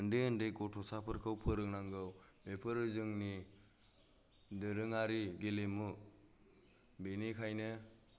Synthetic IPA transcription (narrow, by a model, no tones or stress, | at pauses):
ɯndeɯndejkɔtʰɔsapʰɯɾkʰɯwpʰɯɾɯŋnaŋɡɯwmepʰɯɾɯzɯŋni | dɯɾɯŋaɾiɡelemu | benikʰajnɯ